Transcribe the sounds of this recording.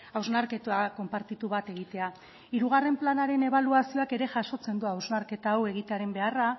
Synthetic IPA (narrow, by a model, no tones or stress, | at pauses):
awznaɾke̞t̪uako̞mpaɾt̪it̪uβ̞at̪e̞ɣ̞it̪e̞a | iɾuɣ̞are̞mplanaɾe̞ne̞β̞aluasio̞ake̞ɾe̞ʝaʃo̞t͡se̞nd̪uawznaɾke̞t̪aːwe̞ɣ̞it̪e̞aɾe̞mbe̞ara